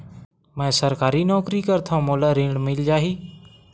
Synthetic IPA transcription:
mɛ̃ːsəɾkaːɾiːnɔːkɾiːkəɾt̪ʰãːmoːlaːɾiːɖmɪld͡ʒaːɦiː

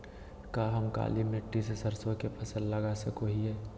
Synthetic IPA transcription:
kaːɦɐmka̰ːlineʈːisesɐɾsõkepɐsə̃nd̪lɐɡasɐkoɦiɦɛː

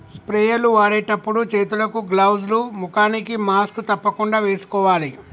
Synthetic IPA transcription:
spɾɛːjɐluʋaːɾejʈɐpːuɽut͡ʃeːt̪ulɐkuɡlɐwd͡ʒlumukaːnikimaːskut̪ɐpːɐkuɳɖaːʋe̞ːsu̥kɔːʋaːli

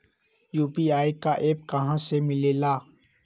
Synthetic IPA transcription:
juːpiaːikaʔeːp̚kɐɦãsemɪleːlaː

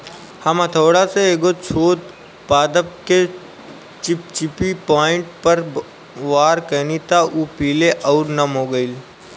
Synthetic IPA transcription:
hɐmat̪ʰoːɽaseeːɡot͡ʃʰoːt̪ | paːd̪əp̚ke | t͡ʃɪpt͡ʃɪpipaːɪ̃ɳʈ̚pəɾ | ʋaːɾkənit̪aʔuːpiːleʔɔʊɾnɐmɦoːɡəil

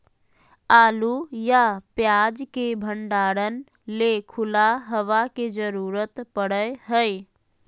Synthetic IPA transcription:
aːlujapjaːd͡ʒkebʱəɳɖaːɾən | lekʰʊlaɦəʋaked͡ʒəɾuːɾət̪pəɽəɦəj

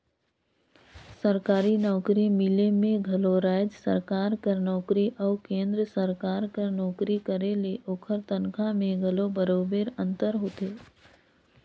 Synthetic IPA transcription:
səɾkaːɾinɔːkɾimɪlemẽɡʱɐloɾaːjd͡ʒsə̰ɾkaːɾkəɾnɔːkɾiʔɔːkẽːnd̪ɾəsəɾkaːɾkəɾnɔːkɾikəɾeleʔoːkʰəɾt̪ənkʰãmẽɡʱɐlobəɾoːbeːɾə̃nt̪əɾɦoːt̪eː

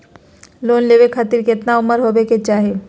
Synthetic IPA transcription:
loːnleːʋekʰat̪iɾkɪt̪naʊməɾɦobeket͡ʃaːɦe

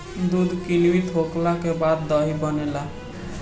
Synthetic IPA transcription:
d̪ud̪ʱkinwit̪ɦoklakebad̪ːɔɦibənela

